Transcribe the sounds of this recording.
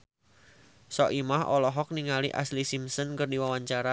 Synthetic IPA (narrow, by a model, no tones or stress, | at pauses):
sɔʔimaɦɔ̰lɔɦɔk̚niŋalḭʔa̰slisimsənkərdiwawaɲt͡ʃaɾa